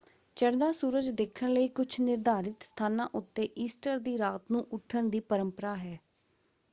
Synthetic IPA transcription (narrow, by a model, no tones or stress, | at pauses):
t͡ʃəɾd̪aːsuːɾəd͡ʒd̪eːkʰəɳləiːkʊt͡ʃʰnɪɾd̪aːɾɪt̪st̪ʰaːnãːʔʊt̪ːeːʔiːsʈəɾd̪iːɾaːt̪nũːʔʊʈʰːəɳd̪iːpəɾəmpəɾaːɦɛː